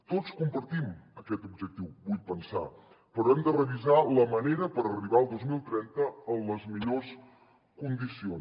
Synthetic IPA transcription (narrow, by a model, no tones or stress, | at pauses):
t̪ot͡skumpəɾt̪iməkɛt̪ub̚ʒək̚t̪iwβujpənsa̰ | pəɾɔɛmd̪ərəβizaləməneɾəpəɾəriβaəlˠd̪ozmilˠt̪ɾɛnt̪əənləzmiʎos | kund̪ision